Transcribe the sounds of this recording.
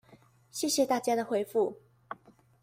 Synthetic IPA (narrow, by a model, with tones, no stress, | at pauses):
ɕjɛ˥˩ɕjɛ˨˩t̪a˥˩t͡ɕja˥d̪ə˨xwe˧˥ɪfu˥˩